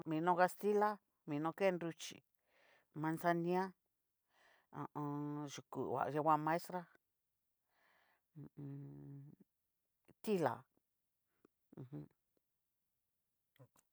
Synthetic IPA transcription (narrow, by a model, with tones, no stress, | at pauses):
mĩ˨˧nõ˧˦ka˧st̪i˦la˦ | mĩ˨˧nõ˧ke˦˧ndu˧t͡ʃḭ˨ | mã˧nsa˧nĩ˧˦ã˦ | ã˨˧ã˧ʒu˨kṵ˨wa̰˨ʔʒe˧wʷã˦˧mã˧e˦st̪ɾa˦˧˨ | t̪i˦la̰˨˧˨ | hũ˦